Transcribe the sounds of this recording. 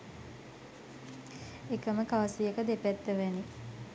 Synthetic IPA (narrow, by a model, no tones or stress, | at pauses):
ekəməkaʋəsijəkəd̪epæt̪ːəʋæni